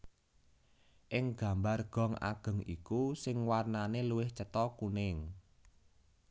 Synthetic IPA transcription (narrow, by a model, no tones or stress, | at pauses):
ʔɪŋɡ̥a̤mbarɡ̥ɔ̤ŋa̰ɡ̥ə̤ŋḭkusɪŋwarnaneluwɪht͡ʃət̪ɔkunɪŋ